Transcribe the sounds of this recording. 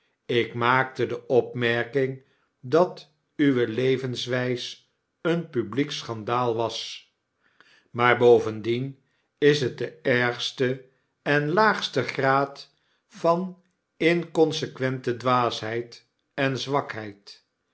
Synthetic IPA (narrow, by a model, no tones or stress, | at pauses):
ɪkmaːk̚tədəʔɔpmɛɹkɪŋ | dɑt | yʋəlejvənsʋɛjs | ənpybliksχɑndaːlˠʋɑs | maːɹbowvəndin | ɪsɦət̚dəɛɹχstə | ɛnlaːχstəχraːt | fɑn | ɪnkɔnsəkʋɛntədʋaːsɦɛjt | ɛnzʋɑkɦɛjt